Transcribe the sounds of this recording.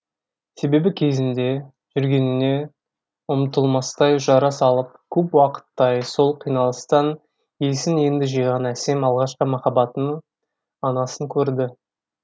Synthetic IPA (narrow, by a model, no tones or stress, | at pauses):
se̞be̞bɪkʲʰe̞zɪnd̪e̞ | ʒʏɾɡʲe̞nɪne̞ | ʊmt̪əlˠmɑst̪ɑjʒɑɾɑsɑlˠəp̚kʲʰɵpwɑqə̥t̪ːɑjso̞lˠqʰijnɑlˠəst̪ɑn | je̞sɪnje̞nd̪ɪʒijʁɑnæse̞mɑlˠʁɑʃqəmɑχɑbɑt̪nəɴ | ɑnɑsəŋkʲʰɵɾd̪ɪ